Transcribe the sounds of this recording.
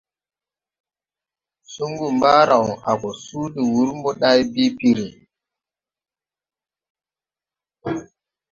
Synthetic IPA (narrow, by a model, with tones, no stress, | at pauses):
su˦ŋɡu˨mba˦ɾa˨wa˨kɔ˨su˦di˨wu˦ɾmbɔ˦ɗa˦jbi˦pi˦ɾi˨